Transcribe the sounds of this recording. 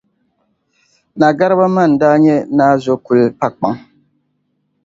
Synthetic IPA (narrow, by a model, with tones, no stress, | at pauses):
na˨ɡa˦ɾɨ˦ba˦ma˦˨n̩˨daː˦ɲɛ˦naː˦zo˦ku˨lpa˦k͡pa˦ŋ